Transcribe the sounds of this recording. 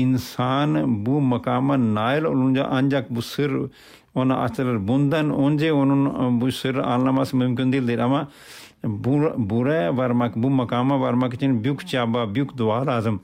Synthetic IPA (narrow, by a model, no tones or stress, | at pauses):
insaːnbumɐkaːmanaːjəlolund͡ʒa̰ʔɐnd͡ʒakbusɨɾ | onaʔɐ̰t͡ʃɐlɐɾbund̪anonʲd͡ʒeonnbusɨɾa̰ːlnamasmʊmk̬ʲind̪ild̪eɾɐmã | buɾbuɾaʋɐɾmakbumɐkaːmãʋɐɾmakt͡ʃinbjukʰt͡ʃaːbaːbjukʰd̪ʊaːɾaːzəm